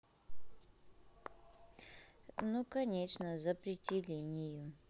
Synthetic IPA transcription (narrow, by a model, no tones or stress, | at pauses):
nukɐnʲeʂnəzəpɾʲɪtʲɪlʲenʲɪjʊ